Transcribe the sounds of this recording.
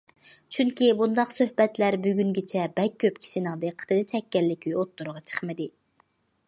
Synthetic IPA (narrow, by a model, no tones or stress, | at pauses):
t͡ʃʰyŋkʲibund̪ɑqsøhbɛt̪læɾbyɡʲyŋɡʲit͡ʃʰɛbɛk̚ʲʰːøpkʲʰi̥ʃinəŋd̪ɨqʰə̥t̪ʰɨnɨt͡ʃʰɛkʲːɛlːɪkʲʰyjot̪ːuɾʁɑt͡ʃʰə̥χmɨd̪ɪ